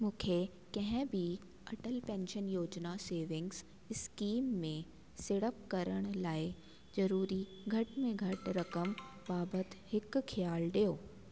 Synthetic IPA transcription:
mũːkʰe | kɐ̃ɦɪ̃bʱi | ɐʈəlpɛ̃ːnʃənjoːd͡ʑnaseːʋɪ̃ŋɡz | ɪskiːmːẽ | sɪɽəp̚kɐɾəɽ̃laːɪ | zɐɾuːɾiɡʱɐʈmẽɡʱɐʈɾɐkəm | baːbət̪hɪkxʰɪjaːlɗijoː

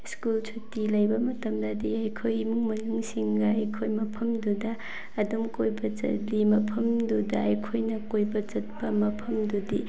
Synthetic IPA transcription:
skult͡ʃʰutilɐjbɐmɐtɐmdɐdiɐjkʰojmuŋmɐnuŋsiŋɡɐɐjkʰojmɐpʰɐmdudɐː | dumkojbɐt͡ʃɐ̰limɐpʰɐmdudɐɐjkʰojnɐkojbɐt͡ʃɐt̚pɐmɐpʰɐmdudi

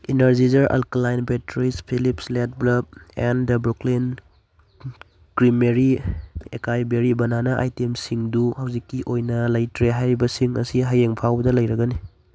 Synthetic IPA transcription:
inɐɾzizɐɾʔa̰lklajnbetɾispʰilipslet̚blɐb̚endɐbɾuklin | kɾimeɾiekajbeɾibɐnanɐʔa̰jtemsiŋduhawzikːiʔojnɐlɐjtɾeɦajɾibɐsiŋɐ̰siɦajeŋpʰawbɐdɐlɐjɾɐɡɐni

